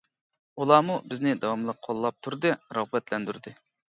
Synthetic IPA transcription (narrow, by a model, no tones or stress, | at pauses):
ulˠɑːmubɪznɪd̪ɑwɑmlˠəq̚qʰːolˠːɑp̚t̪ʰuɾd̪ɨɾɑʁbɛt̪lɛnd̪yɾd̪ɨ